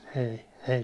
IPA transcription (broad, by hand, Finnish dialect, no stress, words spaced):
ei ei